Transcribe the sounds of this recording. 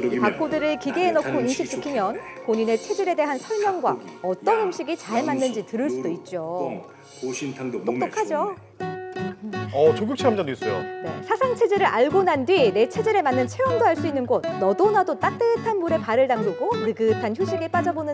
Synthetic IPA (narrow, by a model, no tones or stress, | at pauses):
pak̚k͈ʰodɯɾɯɭkiɡeːnʌkʰoimɕʰik̚t͡ɕ͈ukʰimjʌnkoɲine̞t͡ɕʰe̞d͡ʑeɾe̞de̞ɦansʰʌɭmjʌŋɡwa̰ʌt͈ʌnɯmɕʰiɡit͡ɕaɭmanːɯnd͡ʑitɯɾɯɭs͈udoit̚t͡ɕ͈o | t͈k̚t͈okʰad͡ʑo | ʌt͡ɕoɡɯk̚t͡ɕʰiamd͡ʑanduis͈ʌjone̞̰sʰasʰaŋt͡ɕʰe̞d͡ʑeɾɯɾʔaɭɡonandɥine̞t͡ɕʰe̞d͡ʑeɾemanːɯnt͡ɕʰe̞wʌmdoɦaɭs͈uinːɯnɡot̚nʌdonadot͈ak̚t͈eɯtʰanmuɾe̞paɾɯɭdaŋɡoɡonɯɡɯtʰançjuɕʰiɡep͈ad͡ʑabonɯn